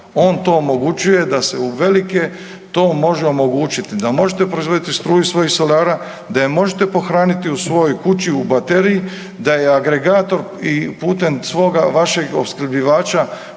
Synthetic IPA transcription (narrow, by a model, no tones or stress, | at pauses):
o̞ːnt̪o̞ːmo̞ɡut͡ɕuje̞d̪ase̞uʋe̞like̞ | t̪o̞ːmo̞ʒeo̞mo̞ɡuːt͡ʃit̪id̪amo̞ʒet̪e̞pɾo̞izʋo̞d̪it̪ist̪ɾuːjisʋo̞jixsolaːɾa | d̪ajemo̞ʒet̪epo̞xɾaːnit̪iusʋo̞jo̞jkut͡ɕiubat̪e̞ɾiji | d̪ajeaɡɾe̞ɡaːt̪o̞ɾ | ipuːt̪e̞msʋo̞ːɡaʋaʃe̞ɡo̰bsklbiʋaːt͡ʃa